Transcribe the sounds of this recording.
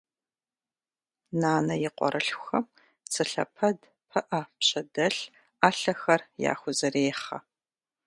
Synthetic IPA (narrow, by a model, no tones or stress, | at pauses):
naːnɐjɪqʷɔ̰ɾɐɬʷxɐm | t͡sʰɨɬɐ̰pʰɐd | pʰɐʔɐpɕɐdɐɬ | aːɬɐxɐrja̰ːxʷʊzɐɾeːχɐ̰